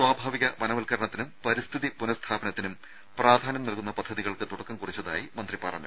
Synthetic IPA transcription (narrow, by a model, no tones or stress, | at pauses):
swaːbʱaːʋiɣɐʋɐnɐmɐlkɐɾɐɳɐt̪ːinumpɐɾist̪ʰiðipunɐst̪ʰaːbɐnɐt̪ːinum | praːd̪ʱaːnɐmnɐlkunːɐpɐd̪ʱːɐðiɣɐɭkɨt̪uɽɐkːɐmkurit͡ɕːɐða̰ːjimɐnd̪ripɐ̰ːrɐ̰nːɐ̰